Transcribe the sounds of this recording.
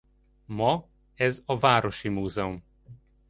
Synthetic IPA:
mɒ | ɛzɒvaːɾo̞ʃimuːzɛum

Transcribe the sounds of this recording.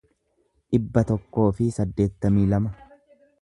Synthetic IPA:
ᶑɪbːɐt̪ɔkːo̞ːfɪsɐd̪ːe̞ːt̪ːɐmiːlɐmɐ

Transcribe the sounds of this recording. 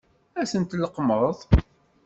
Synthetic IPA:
æsənt̪ləqːməðˤ

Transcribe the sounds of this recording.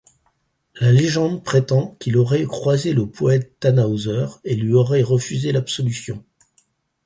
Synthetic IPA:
laleʒɑ̃d̪pχet̪ɑ̃kʲilɔʁɛkχwazeləpʰɔɛt̪ːanaozœʁelɥiɔʁɛʁəfyzelapsɔlysjɔ̰̃

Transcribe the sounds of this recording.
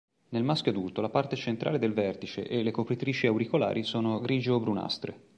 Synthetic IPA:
nelmask̟ʲjoad̪ult̪olapart̪et͡ʃent̪ɾʔa̰ːled̪elvɛrt̪it͡ʃḛʔːlːekopɾit̪ɾiːt͡ʃiawɾikola̰ːɾʔisoːnoɡɾiːd͡ʒoːbɾuna̰st̪ɾḛ

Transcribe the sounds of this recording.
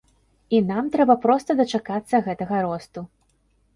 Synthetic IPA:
inamt̪ɾɛbɐpɾɔst̪ɐd̪ɐt͡ʂakat̪sːɐɣɛt̪ɐɣɐɾɔst̪u

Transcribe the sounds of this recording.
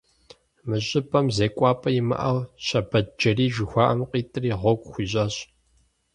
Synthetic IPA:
mɨɕʼɪpʰʼɐmzeːkʷʼɑːpʼɐjɪmɐ̰ʔɐwɕɐbɐd̚d͡ʒɐriːʒɪxʷɑːʔɐmqʼiːtʼɨriːʁʷɔɡʷʼxʷiːɕʼɐːɕʼ

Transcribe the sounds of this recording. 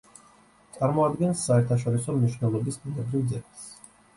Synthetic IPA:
t̪sʼaɾmɔad̪ɡɛnsːaɛɾt̪ʰaʃ̬ɔɾisɔmniʃnɛlˠɔbisbunɛbɾivd̪zɛɡas

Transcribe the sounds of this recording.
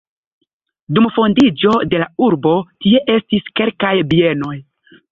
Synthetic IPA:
dumfo̞ndid͡ʒo̞de̞lauɾbo̞tie̞ʔe̞stiske̞lkajbie̞no̞j

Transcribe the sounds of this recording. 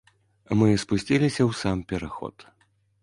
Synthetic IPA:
mɨspusʲt͡sʲilʲisʲɐwsampʲɛɾaxɔ̰t̪

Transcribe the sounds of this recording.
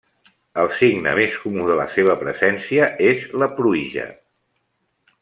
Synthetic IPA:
əlˠsiɡnə̰meskumuðələ̰seβ̞əpɾə̰zɛnsiəezləpɾuiʒə̰

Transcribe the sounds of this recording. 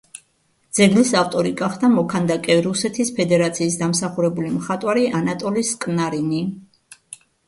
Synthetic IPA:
d̪z̥ɛɡlisaft̪ʼɔɾiɡaχd̪amɔkʰand̪akʼɛɾusɛt̪ʰispʰɛd̪ɛɾat̪sʰiːs̬d̪amsaχuɾɛbulimχat̪ʼwaɾiʔanat̪ʼɔliskʼnaɾini

